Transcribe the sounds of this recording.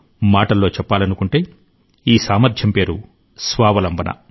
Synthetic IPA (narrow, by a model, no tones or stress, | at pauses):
maːʈɐlːo̞ːt͡ʃɛpːaːlɐnukuɳʈe̞ː | iːsaːmɐɾd̪ʱjɐmpe̞ːɾu | sʋaːʋɐlɐmbɐnʔɐ̰